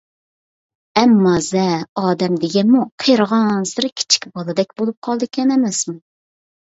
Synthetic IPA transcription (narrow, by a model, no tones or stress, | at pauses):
ɛmːɑzɛɑːd̪ɛmd̪ɪɡʲɛnmuqʰəjɾəʁɑnsɨɾɨkʲʰi̥t͡ʃʰi̥kʲbɑlˠɨd̪ɛkʲbolˠup̚qʰɑlˠd̪ɨkʲʰɛnɛmɛsmu